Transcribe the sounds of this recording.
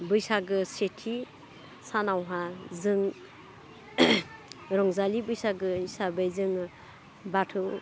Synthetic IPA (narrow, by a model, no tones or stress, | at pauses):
bɯjsaɡɯsetʰi | sanawɦazɯŋ | ɾɔŋzalibɯjsaɡɯisabajzɯŋ | batʰɯ